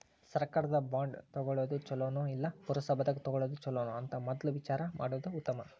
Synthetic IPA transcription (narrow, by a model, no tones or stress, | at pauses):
sɐɾkaːɾɐd̪ɐbaːɳɖt̪ɔɡɔɭoːd̪ut͡ʃɔloːnuilːɐpuɾɐsɐbɐd̪ɐkt̪ɔɡɔɭoːd̪ut͡ʃɔlːoːnuɐnt̪ɐmɔd̪ɐluʋit͡ʃaːɾɐma̰ːɽuːd̪uːt̪ːɐmɐ